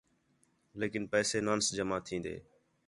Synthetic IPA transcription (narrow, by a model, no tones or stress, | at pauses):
leːkɪnpɛːseːnaːnsd͡ʒəmaːt̪ʰĩːnd̪ḛː